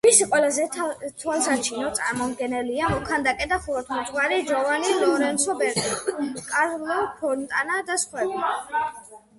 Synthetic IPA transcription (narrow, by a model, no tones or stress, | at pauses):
misɛqʼwɛlazɛt̪ʰwalˠsat͡ʃʰinɔt̪sʼaɾmɔmd̪ɡɛnɛliamɔkʰand̪akʼɛd̪aχuɾɔt̪ʰmut̪ʰʼwaɾid͡ʒɾɔvanilɔɾɛnsɔbɛɾt̪ʼikʼaɾlɔpʰɔɾnt̪ʼanad̪asχwɛbla